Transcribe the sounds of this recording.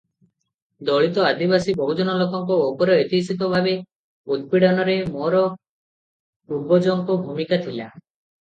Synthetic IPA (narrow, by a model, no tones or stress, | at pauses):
d̪ɔɭit̪ɔad̪ibasibʱɔɦud͡ʒɔnɔlokɔŋkuːpɔɾɔet̪isit̪ɔbʱabe | ud̪̚piɽanɔɾemɔɾɔ | ubɔd͡ʒɔŋkubʱumikat̪ʰila